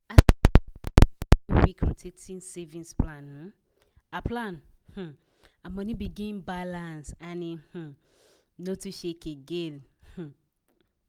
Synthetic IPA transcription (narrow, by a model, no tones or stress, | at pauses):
a | wikʰɾutʰetʰĩnsevĩnsplãnh̩ | aplãn | h̩ | amɔ̃nibiɡĩnbalãnsanih̩ | notuʃekeɡelh̩